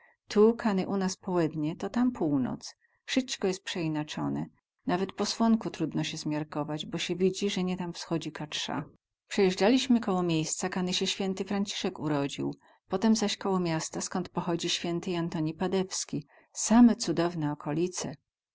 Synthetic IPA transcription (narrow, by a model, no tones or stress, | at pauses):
t̪ʰukʰanɘʔunaspɔwɛd̪ɲɛt̪ɔt̪ampʰuwnɔ̰t̪s | ʂɘt͡ʃkɔjɛst̪̚pʂɛinat͡ʂɔ̰nɛ | navɛt̪pɔswɔŋkut̪ɾud̪nɔɕɛzmʲjaɾkɔvad͡ʑbɔɕɛvʲid͡ʑiʐɛɲɛt̪amfsxɔd͡ʑikat͡ʂʂa̰ | pʂɛjɛʐd͡ʐalʲiɕmɘkɔwɔmʲjejst̪sakanɘɕɛɕfʲjɛnt̪ɘfɾaɲt͡ɕi̥ʂɛkuɾɔd͡ʑḭw | pɔt̪ɛmzaɕkɔwɔmʲjast̪askɔnt̪̚pɔxɔd͡ʑiɕfʲjɛnt̪ɘant̪ɔɲipad̪ɛfskʲi | samɛt̪sud̪ɔvnɛɔkʰɔlʲit̪sɛ